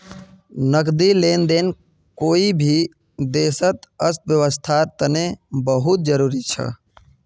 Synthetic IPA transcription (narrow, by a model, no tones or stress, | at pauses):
nəkd̪ilend̪en | koibʱi | d̪eːsət̪əst̪̚bjəʋəst̪ʰat̪ənebəɦut̪̚d͡ʒəɾuːɾit͡ʃʰə̰